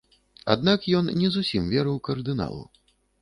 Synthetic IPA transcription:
a̰d̪̚nakjɔnnʲɛzusʲimvʲɛɾɨwkɐrd̪ɨna̰lˠṵ

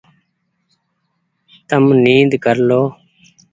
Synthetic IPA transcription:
t̪əmniːd̪kəɾloː

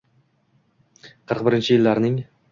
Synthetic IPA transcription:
qʰəɾqbɪɾɪnt͡ʃʰɪjɪlːaɾnɪŋ

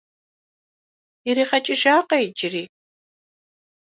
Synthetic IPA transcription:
ɪɾiːχɐt͡ʃʼɪʒaːqɐjd͡ʒɪriː

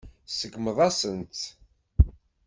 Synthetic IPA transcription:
səɡməðˤɑsənt̪

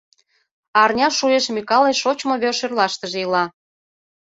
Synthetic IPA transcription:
ɑrnʲɑʃujeʃmʲikɑleʃot͡ɕmoβørʃerlɑʃt̪əʒeilɑ

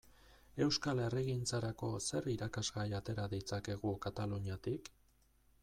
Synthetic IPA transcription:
e̞wskale̞reɣint͡saɾako̞se̞riɾakazɣajat̪e̞ɾaðit͡sake̞ɣ̞ukat̪aluɲiat̪ik

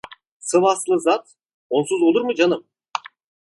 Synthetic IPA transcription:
sɯvɑslˠɯzat̪ | onsuzolˠuɾmɯd͡ʒanɯm

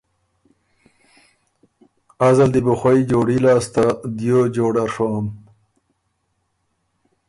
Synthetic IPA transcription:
azald̪ibuxwaid͡ʒoːɽilaːst̪ad̪jod͡ʒoːɽaɾʂom

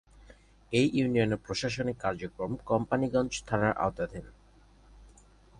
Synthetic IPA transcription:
ejunioneɾpɾoʃaʃ̬onikːaɾd͡ʑokɾomkɔmpaniɡɔnd͡ʑt̪ʰanaɾʔa̰ot̪ad̪ʱen

